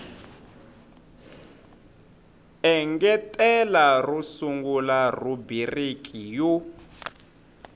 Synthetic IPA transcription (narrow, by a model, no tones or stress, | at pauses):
ɛŋɡɛtʼɛlarusuŋɡularubirikʼiju